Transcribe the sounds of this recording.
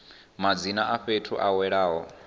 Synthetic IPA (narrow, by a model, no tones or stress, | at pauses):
mad͡zinaʔaɸetʰuʔawɛɺaːɦɔ